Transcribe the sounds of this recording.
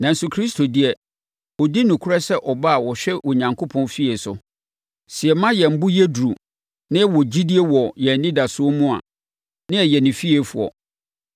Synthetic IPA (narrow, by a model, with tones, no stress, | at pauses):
nã˨n̩˦sʊ˨˦kʰɾi˦stʰo˨di˦ɛ˨ | ɔ˨di˦nʊ̃˨kʰu˦ɾɛ˦sɛ˦ʔɔ˨ba˦a˨wɔ˨ɕᶣɛ˦wɔ˨ɲã˨ŋkʰo˦pʰɔ̃˦nfi˦e˨sʊ̰˨ | sɪi˨ɛ˨mã˦jɛ˨m̩˦bʊ˦jɛ˦du˨ɾu˨ | nɪ̃˦wɔ˨d͡ʑi˦di˦e˦wɔ˨jɛ˨nĩ˦da˨sʊ˦o˦mũ˦a̰˨ | nɪ̃˦ɛ˨jɛ˨nɪ̃˨fi˦e˨fu˨ɔ̰˨